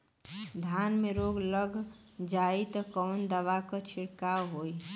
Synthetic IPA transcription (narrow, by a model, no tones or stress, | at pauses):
d̪ʱjaːnmeɾoːɡləɡʱ | d͡ʒaːit̪ɔkɔːnd̪əʋakɔt͡ʃʰiɽkawɦoːi